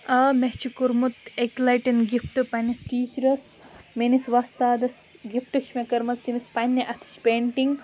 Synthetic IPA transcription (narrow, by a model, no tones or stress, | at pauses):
ɐmeɦt͡ʃʰikuɾmut̪ekʲlɐjʈɐnɡifʈɨpɐnɐsʈiːt͡ʃɾɐs | menisʋɐst̪aːd̪ɐs | ɡifʈɐʃmekɐɾmɐst̪imispɐnʲːɐʔɐt̪ʰi̥ʃpeːɳʈiŋɡ